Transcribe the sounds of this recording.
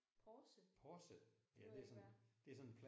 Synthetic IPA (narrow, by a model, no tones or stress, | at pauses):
pʰɒsəpʰɒsəjæd̥e̝æɐsɒ̽nd̥e̝æsɒ̽nenpʰl